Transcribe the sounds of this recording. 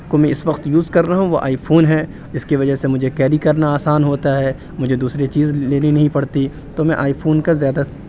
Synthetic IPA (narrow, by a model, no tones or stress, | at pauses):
komɛ̃ɪsʋɐqt̪juːzkɐɾːaɦũʋoʔa̰ːifʰoːnɦɛ | d͡ʒɪskeʋɐd͡ʒəɦsemʊd͡ʒʱekɛːɾikɐɾnaaːsaːnɦoːt̪aɦɛː | mʊd͡ʒʱed̪uːsɾet͡ʃiːzleːninɐɦĩpɐɽt̪i | t̪omɛ̃ʔaːifʰoːnkazjaːd̪a